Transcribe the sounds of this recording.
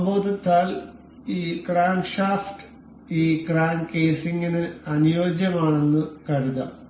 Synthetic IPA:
boːd̪ɐt̪ːaːl | iːkraːnʂaːsʈ | iːkraːnkeːsiŋɡinɨɐnijo̞ːd͡ʑjɐmaːɳenːɨkɐɻuðɐ̰

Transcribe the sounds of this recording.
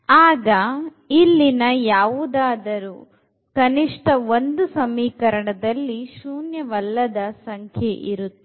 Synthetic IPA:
aːɡɐ | ilːinɐjaːʋud̪aːd̪ɐɾu | kɐniʂʈɐo̞nd̪usɐmiːkɐɾɐɳɐd̪ɐlːiʃuːnjɐʋɐlːɐd̪ɐsɐŋkʰjeʔiɾut̪ːu̥

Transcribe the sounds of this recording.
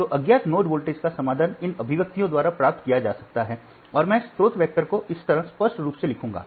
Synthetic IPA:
t̪oːʔɐɡjaːt̪noːʈʋoːlʈeskasɐmaːd̪ʱənɪnɐbʱɪʋək̚t̪ijõd̪waːɾapɾaːp̚t̪kijad͡ʒaːsɐk̚t̪aɦɛː | ɔːɾmɛ̃ːst̪ɾoːt̪ʋjɛk̚ʈəɾkoʔɪst̪ɐɾɦə̃spəʃʈɾuːpselɪkʰũːŋɡa̰ː

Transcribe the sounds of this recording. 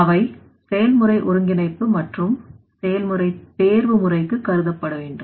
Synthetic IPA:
ɐʋɐɪ | sɛjɐlmɯrɐɪʔʊɾɯŋɡɪnɐɪpːɯmɐʈrɯm | sɛjɐlmɯrɐɪt̪eːɾʋɯmʊrɐɪkːɯkːɐɾɯðɐpːɐɽɐʋeːɳɖɯm

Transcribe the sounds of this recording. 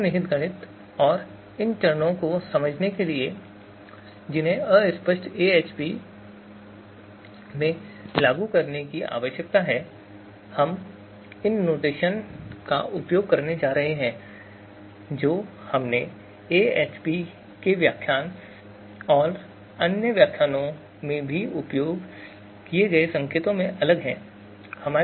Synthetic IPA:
nɪɦɪt̪ɡɐɽ̃ɪt̪ | ɔːɾ | ɪnt͡ʃɐɾənõkosɐməd͡ʒʱnekelie | d͡ʒɪnɦẽəɪspəʃʈeːeːt͡ʃpi | mẽlaːɡukɐɾnekiʔa̰ːʋəʃjək̚t̪aɦɛː | hɐm | ɪnːoːʈeːʃənka̰ʔʊpjoːɡ̚kɐɾned͡ʒaːɾɐɦeɦɛ̃ː | d͡ʒoː | hɐmne | eːeːt͡ʃpi | keʋjaːkʰːjaːn | ɔːɾ | ɐnjəʋjaːkʰːjaːnõ | mẽbʱiʊpjoːɡ | kieɡɐesɐ̃ŋkʰeːt̪õmẽʔɐləɡɦɛ̰̃ː | hɐmaː

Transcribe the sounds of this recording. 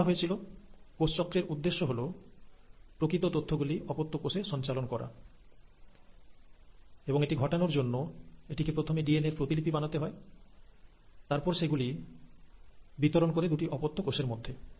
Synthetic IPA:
aɦoet͡ɕʰilokost͡ɕɔkːɾeɾud̪ːeʃːoɦolo | pɾokɾit̪ot̪ot̪ʰːoɡuliʔɔpot̪ʰːokoʃeʃɔnt͡ɕalonkɔɾa̰ | eboŋeʈiɡʱɔʈanoɾd͡ʑonːoeʈikepɾot̪ʰomeɖieneɾpɾot̪ilipibanat̪eɦɔe | t̪aɾpɔɾʃeɡuli | bit̪oɾonkoɾed̪uʈiʔɔpot̪ʰːokoʃeɾmod̪ʱːe

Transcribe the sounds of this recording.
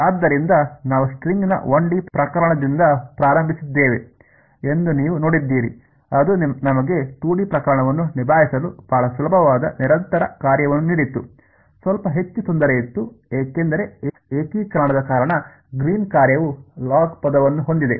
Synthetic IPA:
aːd̪ːɐɾind̪ɐnaːʋusʈɾiŋɡinɐ̰ʋoɳɖipɾɐkɐɾɐɳɐd̪ind̪ɐpɾaːɾɐmbʱisid̪ːeːʋe̞̰ | end̪uniːʋuno̞ːɽid̪ːiːɾḭ | ɐd̪unɐmɐɡe̞t̪uːɽipɾɐkɐɾɐɳɐʋɐnːunibʱaːɦisɐlub̥ʱɐɭɐsulɐbʱɐʋaːd̪ɐ̰niɾɐnt̪ɐɾɐ̰kaːɾjɐʋɐnːuniːɽit̪ːu | sʋɐlpɐɦe̞t͡ʃːut̪ond̪ɐɾɐjit̪ːueːke̞nd̪ɐɾe̞ | eːkikaːɽɐd̪ɐkaːɾɐɳɐ | ɡɾiːnkaːɾjɐʋulaːɡpɐd̪ɐʋɐnːuɦond̪id̪e̞

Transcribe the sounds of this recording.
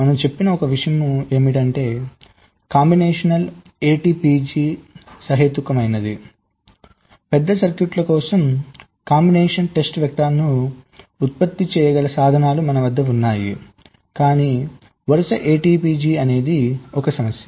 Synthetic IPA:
mɐnɐmt͡ʃe̞pːinɐɔkɐʋiʂɐjɐmue̞ːmiʈɐɳʈe̞ː | kaːmbineːʂɐnɐl | eːʈiːpid͡ʒiːsɐɦeːt̪ːukɐmɐjnɐd̪i | pɛd̪ːɐsɐɾkjuʈlɐkɔːsɐm | kaːmbineːʂɐnʈe̞sʈʋjɐk̚t̪aːlɐnu | ut̪̚pɐt̪ːit͡ʃɛːjɐɡɐlɐsaːd̪ʱɐnaːlumɐnɐʋɐd̪ːɐunːaːjḭ | kaːniː | ʋɐɾɐsɐʔeːʈiːpiːd͡ʒiːɐne̞ːd̪iɔkɐsɐmɐsjɐ

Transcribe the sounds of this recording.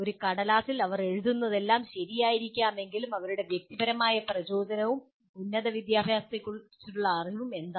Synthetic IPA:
o̞ɾukɐɽɐlaːsilɐʋɐre̞ɻuðunːɐðe̞lːaːmɕɐɾijaːjiɾikʲːaːme̞ŋɡilumɐʋɐɾuɽe̞ʋjɐk̚t̪ibɐɾɐmaːjɐprɐt͡ɕo̞ːd͡ʑɐnɐʋum | punːɐðɐʋid̪jaːbʱjaːst̪ekʲːuɭt͡ɕːiʈːuɭːɐːriʋume̞nd̪a

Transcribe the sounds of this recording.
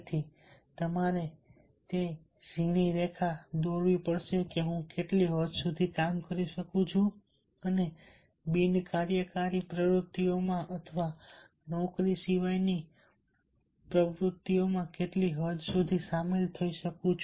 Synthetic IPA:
t̪ʰi | t̪əmaɾe | t̪e | d͡ʒʱiɽ̃iɾekʰad̪oɾʋipəɽʃekeɦũkeʈliɦəd͡ʒsud̪ʱikamkəɾiʃəkũt͡ʃʰũ | əne | binkaɾjəkaɾipɾəʋɾʊt̪ːiomãʔət̪ʰəʋa | nɔkɾisiʋajni | pɾəʋɾʊt̪ːiomãkeʈliɦəd͡ʒsud̪ʱisamelt̪ʰəiʃəkũt͡ʃʰ

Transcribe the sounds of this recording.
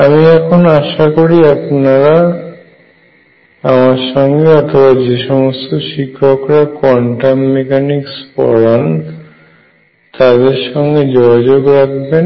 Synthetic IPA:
amiɛkʰonaʃakoɾiapnaɾa | amaɾʃɔŋɡeɔt̪ʰobad͡ʑeʃɔmost̪oʃikʰːokɾakwɔɳʈamːekanikspɔ̰ɽan | t̪ad̪eɾʃɔŋɡed͡ʑoɡʱad͡ʑoɡɾak̚ʰben

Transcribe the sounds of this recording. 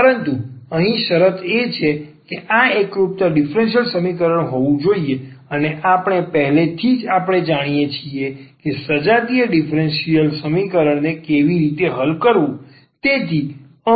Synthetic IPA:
əɾənt̪uəɦĩʃəɾət̪ʰet͡ʃʰekeʔaekɾupt̪aɖifɾensijəlsəmikəɾəɳ̃ɦoʋũd͡ʒoieəneʔapɳ̃epəɦlet̪ʰid͡ʒapɽ̃ed͡ʒaɽ̃ijet͡ʃʰiekesəd͡ʒat̪ijəɖifɾensiəlsəmikəɾəɳnekeʋiɾit̪eɦəlkəɾʋũ | t̪et̪ʰi | ə

